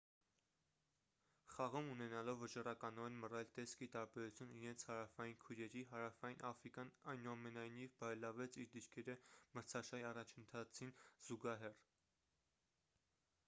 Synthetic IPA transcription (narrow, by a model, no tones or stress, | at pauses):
χɑʁumunɛnɑlɔvːət͡ʃɑrɑkɑnɔɛnmərɛlt̪ɛskit̪ɑɾbɛɾut͡sʰjuniɾɛnt͡sʰhɑɾɑfɑjinkʰujɾɛɾiɦɑɾɑfɑjinʔɑfɾikjɑnɑjnuɑmɛnɑjnivbɑɾɛlɑvɛt͡sʰiɾd̪iɾkʰɛɾəməɾt͡sʰɑʃɑiɑrɑt͡ʃʰənt̪ʰɑt͡sʰinz̥uɡɑɦɛr